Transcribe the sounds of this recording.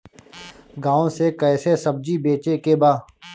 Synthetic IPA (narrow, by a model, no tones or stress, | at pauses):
ɡaːõsekɛːsesəb̚d͡ʒibeːt͡ʃekebaː